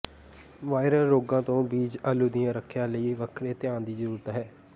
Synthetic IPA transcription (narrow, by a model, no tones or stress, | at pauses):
ʋaːɪɾəlːoːɡãːt̪õːbiːd͡ʒəluːd̪ɪjãːɾəkʰːjãːləiːʋəkʰɾeːt̪ɪjãːnd̪iːzəɾuːɾət̪ɦɛː